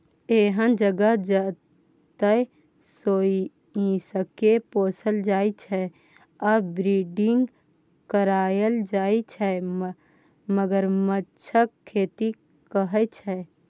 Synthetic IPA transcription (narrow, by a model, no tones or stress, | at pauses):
eːɦənd͡ʒəɡəd͡ʒə | t̪ə | soːi | ĩsəkepoːsəld͡ʒaːit͡ʃʰɛ | abɾiɖɪŋɡ | kəɾaːjəld͡ʒaːit͡ʃʰɛ | məɡəɾmətːt͡ʃʰəkkʰːeːt̪i | kəɦət͡ʃʰɛ